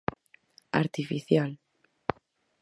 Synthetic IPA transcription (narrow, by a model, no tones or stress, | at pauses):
a̰ɾt̪ifiθjal